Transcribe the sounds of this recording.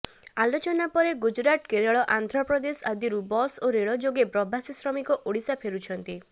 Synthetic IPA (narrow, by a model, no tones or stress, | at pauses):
alot͡ʃɔnapɔɾeɡud͡ʒɾaʈkeɾaɭɔʔand̪ʱɾɔpɾɔd̪esad̪iɾubɔsoɾeɭɔd͡ʒoɡepɾɔbʱasisɾɔmikɔʔoɽisapʰeɾut͡ʃʰɔnt̪i